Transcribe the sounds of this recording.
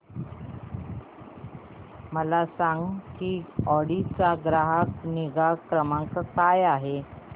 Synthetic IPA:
məlasaŋɡkiɔɽit͡saɡɾaɦəkniɡakɾəmãŋkkajaɦe

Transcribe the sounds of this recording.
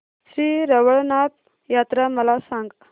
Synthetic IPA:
ɕɾiɾəʋəɭnap̚ | jat̪ɾaməlasãŋɡ

